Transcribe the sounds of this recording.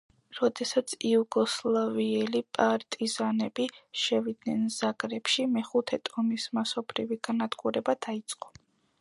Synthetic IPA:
ɾɔd̪ɛsat̪sʰiuɡɔslˠaviɛlipʼaɾt̪ʼizanɛbiʃɛvid̪nɛnz̥aɡɾɛpʃimɛχut̪ʰɛt̪ʼɔmismasɔbʰɾiviɡ̥anad̪ɡuɾɛbad̪̥ait̪sʼqʼɔ̥

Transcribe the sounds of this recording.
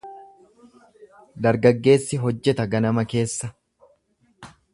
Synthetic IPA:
d̪ɐɾɡɐɡːe̞ːsːɪɦɔd͡ʒːɛt̪ɐɡɐnɐmɐke̞ːsːɐ

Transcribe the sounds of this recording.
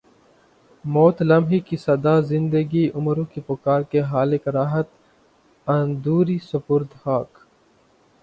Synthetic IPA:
moːt̪lɐmɦikisɐd̪aːzɪ̃nd̪əɡiʔʊmɾõːkipʊkaːɾkeɦaːlekɾaːɦət̪ | ɐnd̪uːɾiːsɐpʊɾd̪haːk

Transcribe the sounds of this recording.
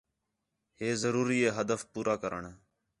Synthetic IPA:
heːzəɾuːɾiːeːɦəd̪əfpuːɾaːkəɾə̰ɳː

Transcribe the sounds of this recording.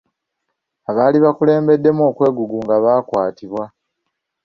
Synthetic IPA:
aβaːliβakule̞ːmbe̞dːe̞mo̞ːkwe̞ːɡuɡuŋɡaβaːkwaːtiβwa

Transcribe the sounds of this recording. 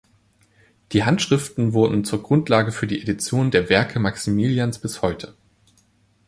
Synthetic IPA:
d̥iːɦantʃʁ̥ɪftn̩vʊɐdn̩t͡suːɐɡʁʊntlaːɡəfyːɐdiːʔedit͡sjoːndeːɐvɛɐkʰəmaksimiljansb̥ɪshɔʏtʰə

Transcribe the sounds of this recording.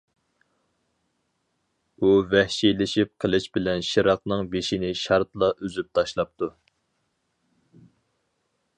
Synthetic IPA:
uvɛhʃilɪʃip̚qʰəlˠɨʃbɪlɛnʃiɾɑqnɨŋbeʃinɪʃɑɾt̪lˠɑʔøzyp̚t̪ʰɑʃlˠɑp̚t̪ʰu

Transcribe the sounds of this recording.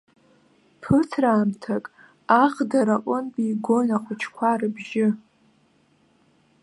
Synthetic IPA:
pʰɨtʰraːmtʰakʼ | aχdaɾaʔʷʼʊnbʼiɡʷonaχʷʊt͡ʃʰkʷʰarɨbʒɪ

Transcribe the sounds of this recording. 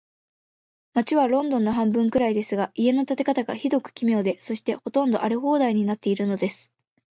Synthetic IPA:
mat͡ɕiβaɾõ̞nd̪õ̞nːo̞ɦãmbɯ̟̃ŋkɯ̟ɾaid̪e̞sɨɡaʔie̞no̞t̪at̪e̞kat̪aɡa̰çid̪o̞kɯ̟̥kʲimʲjo̞ːd̪e̞so̞ɕi̥t̪e̞ho̞t̪õ̞nd̪o̞ʔaɾeɦo̞ːd̪aiɲ̟inat̪ːe̞iɾɯ̟no̞d̪e̞sɨ̥

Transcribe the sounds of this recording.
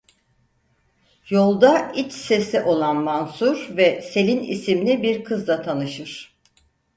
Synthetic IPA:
jo̞lˠd̪ait͡ʃse̞sɛʔo̞lˠanmansuɾvɛse̞lʲinḭsimlʲibiɾkʰɯzd̪ˠat̪ʰanɯʃɯɾ̥

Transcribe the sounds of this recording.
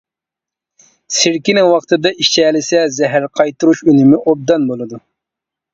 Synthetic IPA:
sɪɾkʲinɪŋwɑqt̪ʰɨd̪ɑit͡ʃʰɛːlɪsɛzɛɦæɾqʰɑjt̪uɾuʃynymɪʔob̚d̪ɑnbolˠɨd̪u

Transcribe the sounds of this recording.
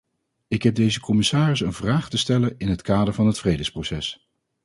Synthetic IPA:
ɪkɦɛb̚dejzəkʰɔmɪsaːrɪsənvraːχtəstɛlənɪnɦətkaːdəɹvɑnɦətfrejdəsprowsɛs

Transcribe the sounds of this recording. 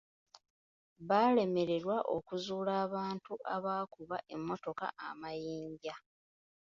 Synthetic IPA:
βaːle̞me̞ɾe̞ɾwaʔo̞̰kuzuːlaːβaːntuʔaβaːkuβaʔe̞mːo̞to̞ka̰ʔamajiːɲɟa

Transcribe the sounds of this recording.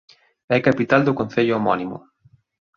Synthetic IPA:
ɛkapit̪ald̪ʊkon̟θeʎʊomɔnimʊ̰

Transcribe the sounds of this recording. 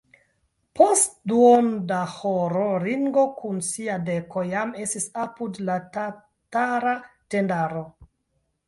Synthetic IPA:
pʰostduondahoɾoɾiŋɡo̞kʰunsiadeko̞jame̞stisapudlata | taɾatendaɾo

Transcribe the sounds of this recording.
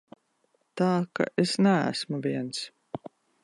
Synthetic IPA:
t̪aːka̰ʔesnææ̰smuviɛns

